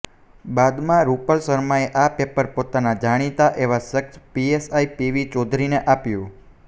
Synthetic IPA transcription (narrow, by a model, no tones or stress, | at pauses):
bad̪mãɾupəlsəɾmaeʔapepəɾpot̪anad͡ʒaɽ̃it̪aʔeʋasəkspiesaipiʋit͡ʃɔd̪ʱɾineʔapjũ